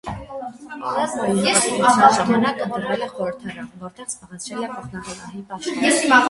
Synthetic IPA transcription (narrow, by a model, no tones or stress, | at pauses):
jɛiɑɑʒɑɑnɑkənt̪əɾvɛlɛχɔɾəɾt̪ʰɑɾɑnəvɔɾt̪ɛʁz̥bɑʁɛt͡sʰɾɛlɛpʰɔχnɑχɑɡɑɦiɑjɛsiɑ